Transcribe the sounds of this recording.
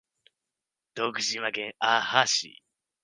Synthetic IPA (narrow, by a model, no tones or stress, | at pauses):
d̪̥oːkɯ̟ʑĩβaɡẽŋaːhaɕḭ